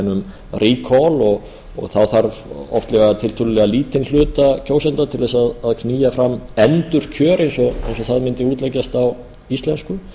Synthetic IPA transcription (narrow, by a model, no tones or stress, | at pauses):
nːʏm | riːkʰɔlɔɣ | ɔ̰ɣθaðθaɾvɔft̪lɛɣat̪ʰɪlt̪ʰʏːlʏlɛɣaliːt̪ʰɪnl̥ʏːt̪acʰoːwsɛnt̪at̪ʰɪlðɛs̬aðaðkʰniːjafɾamːɛnt̪ʏɾ̥cʰœːɾejnsɔejnsɔθaðmɪnt̪ɪuːt̪lɛcːast̪aw | ist̪lɛnskʏ